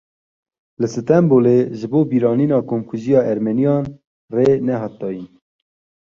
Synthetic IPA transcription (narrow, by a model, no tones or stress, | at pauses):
lɨsɨt̪ɛmboːleʒɨboːbiːɾɑːniːnɑːkomkʰuzijɑːʔɛɾmɛnijɑːn | reːnɛɦɑːt̪̚d̪ɑːjin